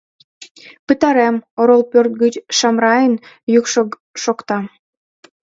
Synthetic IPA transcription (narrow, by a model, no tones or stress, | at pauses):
pɨt̪ɑɾemoɾolˠpørt̪̚ɡət͡ɕʃɑmrɑjən | jukʃo | ʃokt̪ɑ